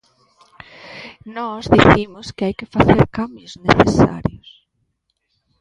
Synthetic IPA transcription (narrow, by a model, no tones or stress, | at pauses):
nɔzðiθimʊskɪajkɪfaθeɾkambjʊzneθesa̰ɾjʊs